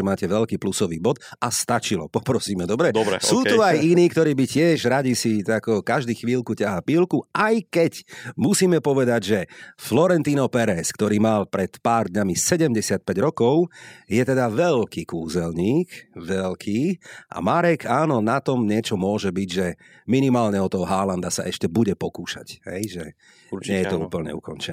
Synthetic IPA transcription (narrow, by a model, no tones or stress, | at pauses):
ɛmaːcɛʋɛʎkiːplusɔʋḭːbɔd̪ | ast̪at͡ʃilɔ̰pɔpɾɔsiːmɛd̪ɔbɾɛd̪ɛ̰suːt̪uajiniːk̚t̪ɔɾiːbicɪɛʒɾaɟisit̪akukaʒd̪iːxʋiːlkucaɦapiːlkuajkɛcmusiːmɛpɔʋɛd̪aɟʒɛflɔɾɛnt̪iːnɔpɛɾɛskt̪ɔɾiːmalpɾɛt̪paːɾd̪ɲamisɛɟɛmɟɛsɪat̪̚pɛɟɾɔkɔʊjɛt̪ɛd̪aʋɛʎkiːkuːzɛlɲiːkʋɛlkʰiːʔa̰maɾɛkaːnɔnat̪ɔmɲɪɛt͡ʃɔmʊɔʒɛbiɟʒɛ | minimaːlɲɛɔt̪ɔɦɔɦaland̪asa̰ʔɛʃcɛbuɟɛpɔkuːʃa̰cɦɛ̰jʒɛ | ɲɛjɛt̪ɔṵːpl̩ɲɛ̰ṵkɔnt͡ʃɛnɛ